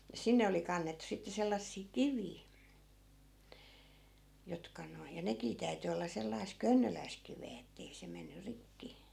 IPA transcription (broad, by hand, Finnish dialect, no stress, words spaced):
jɑ sinːe oli kɑnːetːŭ sitːe selːɑsːiː kiʋiː jotkɑ noi jɑ nekiː tæy̞ty olːɑ selːɑis kønːølæisk̆ kiʋeː etːei se menːy rikːi